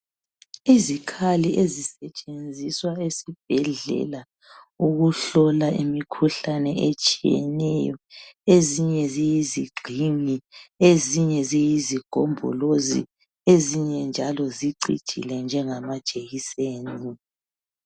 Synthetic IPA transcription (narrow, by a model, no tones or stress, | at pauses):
izikʰaliʔezisɛt͡ʃʼend͡zʱiswaesib̥̚ʱɛɮɛ̰la | uɣuɬɔlaimikʰuɬanɛet͡ʃʼijɛ̰nɛjɔ̰eziɲɛzijiziɡ͡ǀʱiŋieziɲɛzijiziɡ̥ʱo̰mbʱɔ̰lozḭ | eziɲɛnd͡ʒʱalɔziǀḭ̥ḭlɛnd͡ʒʱɛŋamḁʒ̥ʱʼeɣiseːni